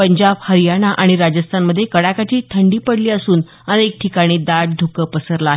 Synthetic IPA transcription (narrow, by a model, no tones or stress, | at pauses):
pəɲd͡ʑabhəɾijaɽ̃aʔaɽ̃iɾad͡ʑəst̪ʰanməd̪ʱːjekəɽakat͡ɕiːt̪ʰəɳɖiːpəɽliːəsuːn | ənek̚ʈʰikaɽ̃iːd̪aɽ̚d̪ʱukəpəsəɾlaːɦ